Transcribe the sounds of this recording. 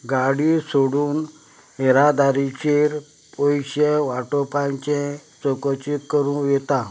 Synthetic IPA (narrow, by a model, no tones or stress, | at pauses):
ɡaɽisoɽuːn | eɾad̪aɾit͡ɕeɾ | pojɕeʋaʈopãɲt͡ɕɛ̃sokɔt͡ɕikəɾũjet̪a